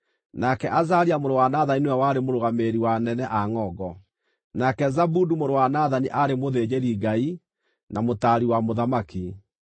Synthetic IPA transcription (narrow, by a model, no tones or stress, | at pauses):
nakɛʔazaɾiamoɾowanaðaninewɛwaɾemoɾoɣameɾiwanɛnɛʔaŋɔɡɔ | nakɛzabudumoɾowanaðaniʔaɾemoðed͡ʒeɾiɡai | namotaɾiwamoðamaki